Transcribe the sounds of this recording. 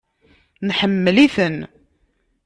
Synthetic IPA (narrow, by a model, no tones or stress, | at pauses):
nħəmːəliθən